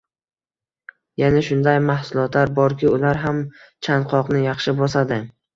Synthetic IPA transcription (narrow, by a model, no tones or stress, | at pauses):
janaʃʊnd̪ajmahsʊlˠɒt̪laɾbɒɾkʲɪʊlaɾɦam | t͡ʃʰanqʰɒqnɪjɑχʃɪbɒsad̪ɪ